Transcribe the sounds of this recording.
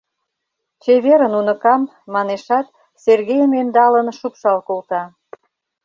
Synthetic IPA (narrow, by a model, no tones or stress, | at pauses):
t͡ɕeβeɾənunə̆kɑmː | ɑneʃɑt̪ | serɣejəmend̪ɑlənʃukʃɑlkolt̪ɑ